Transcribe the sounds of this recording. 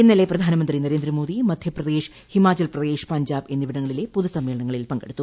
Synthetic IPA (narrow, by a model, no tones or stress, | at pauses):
inːileprɐd̪ʱaːnɐmɐnd̪rinɐɾeːnd̪ɾɐmo̞ːd̪imɐd̪ʱjɐprɐd̪eːʂ | himaːt͡ɕɐlprɐd̪eːʂpɐɲd͡ʑaːbe̞nːiʋiɽɐŋːɐɭilepuðusɐmːe̞ːɭɐɳɐŋːɐɭilpɐŋɡe̞̰ɽut̪ːu